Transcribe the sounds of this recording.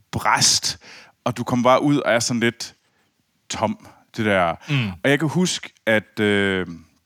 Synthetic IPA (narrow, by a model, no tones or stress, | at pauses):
b̥ʁasd̥ | ɒ̽d̥ukʰɒ̽m̰ɐb̥ɑ̈ːʔuð̞̰ˠɒ̽æɐsɒ̽nle̝d̥ | t͡sʰɒ̽m̰ | d̥e̝d̥æɐ̰ɒ̽jɑ̈ɪkʰæhusɡ̥æd̥ø